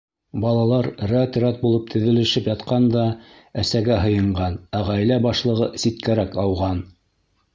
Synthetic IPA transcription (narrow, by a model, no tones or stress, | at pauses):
bɑlˠɑlˠɑɾræt̪ɾɑt̪̚bulˠɤp̚t̪ʰɘ̆ðɘ̆lɘ̆ʃɘpjɑt̪qɑnd̪ɑ | æsæɡæɦɤ̆jɤ̆ɴɢɑnæʁæjlæbɑʃlˠɤ̆ʁɤsit̪kæɾækɑwʁɑn